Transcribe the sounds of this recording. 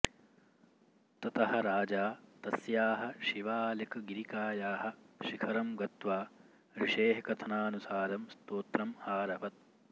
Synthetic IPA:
t̪ɐt̪ɐɦɐ̆ɾaːd͡ʒaːt̪ɐsjaːɦɐ̆ʃiʋaːlikɡiɾikaːjaːɦɐ̆ʃikʰɐɾɐmɡɐt̪ʋaː | ɾiʂeːɦkɐt̪ʰɐnaːnusaːɾɐmst̪oːt̪ɾɐmhaːɾɐʋɐt̪̚

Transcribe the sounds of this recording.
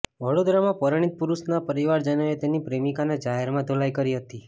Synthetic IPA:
ʋəɽod̪ɾamãpəɾəɽ̃it̪̚puɾusnapəɾiʋaɾd͡ʒənəet̪enipɾemikaned͡ʒaɦeɾmãd̪ʱolajkəɾiɦət̪i

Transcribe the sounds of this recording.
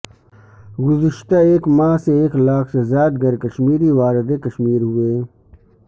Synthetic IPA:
ɡʊzɪʃt̪aeːkmãːseeːklaːksezaːd̪̚ɡɐɾkɐʃmiːɾiʋaːɾɪd̪ekɐʃmiːɾɦueː

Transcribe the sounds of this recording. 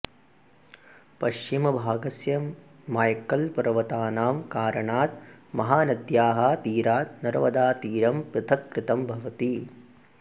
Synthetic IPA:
pɐʃt͡ʃimɐbʱaːɡɐsjɐmː | aːjkɐlpɐɾɐʋɐt̪aːnaːmkaːɾɐɳaːt̪mɐɦaːnɐd̪jaːɦɐt̪iːɾaːt̪nɐɾʋɐd̪aːt̪iːɾɐmpɾɪt̪ʰɐkːɾɪt̪ɐmbʱɐʋɐt̪i

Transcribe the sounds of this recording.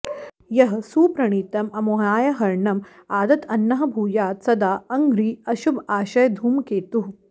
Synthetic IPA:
jɐɦɐsuːpɾɐɳ̃iːt̪ɐmɐmoɦaːjɐɦɐɾɳɐm | aːd̪ɐt̪ʰɐnːɐɦɐ̆bʱuːjaːt̪sɐd̪aːɐŋɡɾiːɐʃubaːɕɐjd̪ʱuːmkeːt̪uɦ

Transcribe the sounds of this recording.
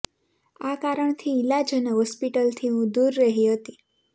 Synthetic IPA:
akaɾəɳt̪ʰiːlad͡ʒənəɦɔspiʈəlt̪ʰiɦũd̪uɾːəɦiɦət̪i

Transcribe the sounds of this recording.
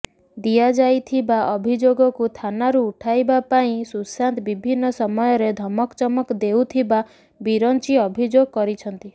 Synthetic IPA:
d̪ijad͡ʒajt̪ʰibaʔɔbʱid͡ʒoɡɔkut̪ʰanaɾuːʈʰajbapaĩsusant̪bibʱinːɔsɔmɔjɔɾed̪ʱɔmɔkt͡ʃɔmɔkd̪ewt̪ʰiba | biɾɔnt͡ʃiɔbʱid͡ʒoɡɔkɔɾit͡ʃʰɔnt̪i

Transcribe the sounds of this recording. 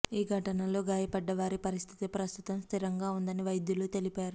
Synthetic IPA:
iːɡʱɐʈɐnɐlo̞ːɡaːjɐpɐɖːɐʋaːɾipɐɾist̪ʰi̥t̪ipɾɐst̪ut̪ɐmst̪ʰiɾɐŋɡaːund̪ɐniʋɐjd̪juluːt̪e̞lipaːɾu

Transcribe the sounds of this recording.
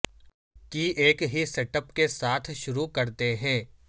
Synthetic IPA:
kiʔeːkɦiseːʈəpkesaːt̪ʰʃʊɾukɐɾt̪eɦɛ̃ː

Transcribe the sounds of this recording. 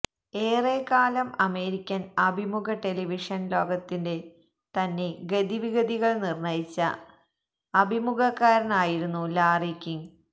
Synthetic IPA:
eːreːkaːlɐmɐme̞ːɾikʲːɐnɐbʱimuɡɐʈe̞liʋiʂɐnlo̞ːɡɐt̪ːinde̞ | t̪ɐnːe̞ɡɐd̪iʋiɣɐd̪iɣɐɭnirnɐjit͡ɕːɐ̰ | ɐbʱimuɡɐkːaːɾɐnaːjiɾunːulaːrikʲːiŋ

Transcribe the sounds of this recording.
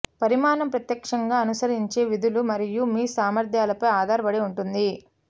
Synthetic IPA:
pɐɾimaːnɐmpɾɐt̪jɐkʂɐŋɡaːɐnusɐɾiɲt͡ʃe̞ːʋid̪ulumɐɾijumiːsaːmɐɾd̪ʱjaːlɐpɐjaːd̪aːɾɐbɐɽiuɳʈund̪i

